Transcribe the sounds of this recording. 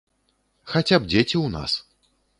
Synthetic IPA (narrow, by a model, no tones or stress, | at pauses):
xat͡sʲabd͡zʲet͡sʲiwna̰s